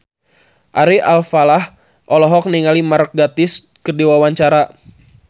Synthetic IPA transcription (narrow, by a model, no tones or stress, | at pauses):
ʔaɾiʔalfalah | ʔɔlɔɦɔk̚niŋalimark̚ɡat̪ɪs | kərdiwawaɲt͡ʃaɾa